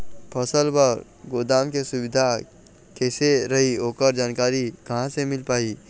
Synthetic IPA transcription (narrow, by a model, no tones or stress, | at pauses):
pʰɐsəlbəɾ | ɡoːd̪aːmkesʊwɪd̪ʱa | kɛːseɾɐɦioːkəɾd͡ʒaːnkaːɾikɐɦãsemɪlpaːiː